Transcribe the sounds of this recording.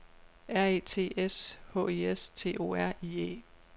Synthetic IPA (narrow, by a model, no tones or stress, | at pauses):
æɐ̰e̝̰ːt͡sʰe̝̰ːeshɔ̰̽ːeest͡sʰe̝̰ːʔo̝̰æɐ̰iːḛː